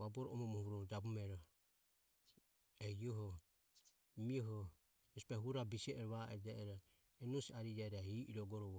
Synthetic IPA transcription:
βabɔɾɔɔmɔmɔhuɾɔd͡ʒabumɛɾɔ | ɛiɔɦɔ | miɔɦɔ | ɔspɛɦuɾabisiɛʔɛɾɔβaɛd͡ʒɛɛɾɔ | ɛnɔsaɾid͡ʒɛɾahiʔiɾɔɡɔɾɔβɔ

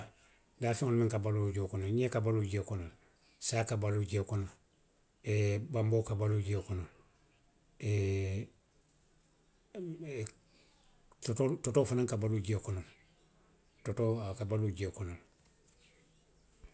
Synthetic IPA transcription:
dafiŋonmiŋkabaluɟokonoɲekabaluɟekonol | saːkabaluɟekonol | ebambokabaluɟekonol | e | totototofanaŋkabaluɟekonol | totokabaluɟekonol

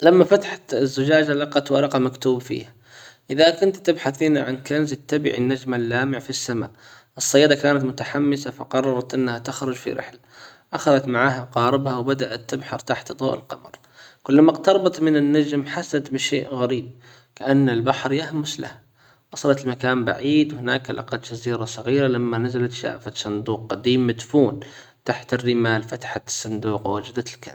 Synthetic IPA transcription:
lamːafat̪ḁħt̪ɪzːʊd͡ʒaːd͡ʒalɑqɑt̪walɑqɑmakt̪uːbfḭːha | ʔɪðakʊnt̪t̪ːɪbħaθinaʕankanzɪt̪ːabɪ̰ʕḭnːad͡ʒmalːaːmɪʕfisːama̰ːʔ | ʔɨsˤːɑjːɑːd̪akaːnat̪mʊt̪aħamːɪsafɑ̰qɑrˤːɑɾˤɑt̪ʔɪnːhat̪ɪxɾʊd͡ʒfḭɾɪ̰ħlaʔaxaðat̪maʕaːɦaqɑːɾɪbhawbad̪aʔat̪ːɪbħɑɾˤt̪aħt̪d̪ˤo̰ːʔɪ̰lqɑ̰mɑɾˤ | kʊlːamaqt̪ɑɾˤɑbɑt̪mɪnɪnːad͡ʒmħasad̪bɪʃeːʔɣaɾiːb̚ | kaʔanːɪlbaħɾjahmʊsla̰h | ʔɑsˤɑlɑt̪ɪlmakaːmba̰ʕiːd̪whɪnaːkalʔɑ̰qɑd̪d͡ʒaziːɾasˤɑɣiːɾalamːanazalat̪ʃa̰ʔfasˤʊnd̪uːqːad̪iːmːad̪fuːn | t̪aħt̪ɪrːɪmaːlfat̪ḁħasˤːɨnd̪uːqwwad͡ʒd̪aɪlka̰n

